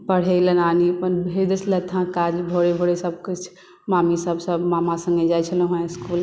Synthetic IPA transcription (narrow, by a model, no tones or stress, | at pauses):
pəɽ̤elənanipənbʱed̪əslət̪ʰãkad͡ʒbʱoɽebʱoɽesəb̚kut͡ʃʰ | mamisəbsəbmamasə̃ŋɡed͡ʒajt͡ʃʰələ̃ɦə̃skul